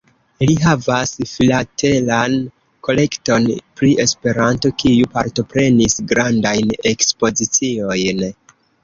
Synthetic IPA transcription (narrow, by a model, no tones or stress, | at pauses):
liɦavasfilate̞lan | ko̞le̞kto̞npɾiʔe̞spe̞ɾanto̞kijupaɾto̞pɾe̞nisɡɾandajne̞kspo̞zit͡sio̞jn